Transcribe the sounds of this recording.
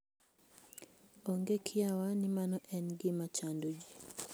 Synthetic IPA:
oŋɡekʰɪawanɪmanɔʔɛnɡɪmat͡ʃandod͡ʒi

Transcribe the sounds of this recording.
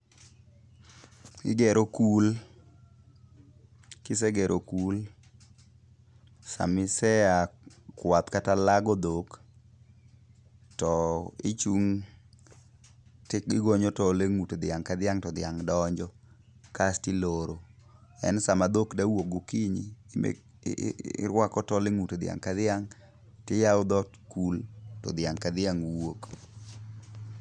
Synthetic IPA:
ɪ̰ɡɛɾokul | kɪs̬eɡɛɾʔokul | sa̰mɪsɛa | kwat̪katalaɡɔd̪ok | tɔɪt͡ʃuŋ | tɪɪɡoɲɔtɔleŋutod̪ɪaŋkad̪ɪaŋtɔd̪ɪjaŋdɔɲd͡ʒɔ | kastiloɾoɛ̰nsamad̪okdawokɡukiɲimḛ | ɾwakɔtɔleŋutod̪ɪa̰ŋkad̪ɪaŋ | tɪjawʊd̪ɔtkultɔ̰d̪ɪaŋkad̪ɪaŋwok

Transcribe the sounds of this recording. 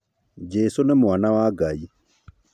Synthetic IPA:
d͡ʒesonɛmwanawaɡai

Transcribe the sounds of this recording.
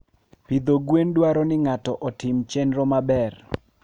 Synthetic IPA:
pid̪oɡwendwaɾɔnɪŋatɔʔɔtɪmt͡ʃɛnɾɔmabɛr

